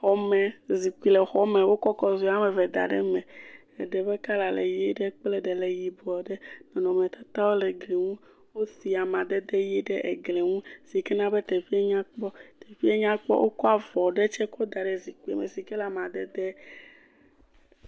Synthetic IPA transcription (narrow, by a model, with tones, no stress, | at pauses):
xɔ˦mɛ˨zi˨ku˦i˨˦lɛ˨xɔ˦mɛ̃˨wo˦kɔ˦kɔ˦zu˦a˦mɛ˨vɛ˨d̪a̰˨ɖɛ̰˦mɛ̃˨ | ɛ˨ɖɛ˨bɛ˦ka˦la˨lḛ˨ji˦ɖɛ˦k͡plɛ˦ɖɛ˨le˨ji˨bɔ˨ɖɛ˦nɔ̃˨nɔ̃˨mɛ̃˨t̪a˦t̪a˦wo˦le˨ɡli˨ŋũ˦ | wo˦si˨a˨mã˨d̪ɛ˦d̪ɛ˦ji˦ɖɛ˦ʔe˨ɡle˨ŋũ˦si˨kɛ˦nã˦bɛ˦t̪ɛ˨fi˦e˦ɲã˦k͡pɔ˦t̪e˨fi˦e˦ɲã˦k͡pɔ̰˦wʔo̰˦kɔ˦a˨vɔ˨ɖɛ˦t͡ʃɛ˦kɔ˦d̪a˨ɖɛ˨zi˨ki˦ḛ˨me˨si˨kɛ˦la˨mã˨d̪ɛ˦d̪e˦